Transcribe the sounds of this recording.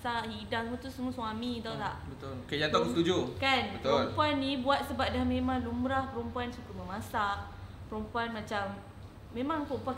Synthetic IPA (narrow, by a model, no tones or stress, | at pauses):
saʔhidaŋmut̪usəmuasuamit̪awt̪aʔbət̪olkajaŋt̪akst̪ud͡ʒukanbət̪oəɾlmpuanːibuat̪̚səbap̚dahmẽmãŋlumɾahpəɾumpuansukʊməmasaʔ | pəɾumpuanmat͡ʃamː | ẽmãŋpəɾumpua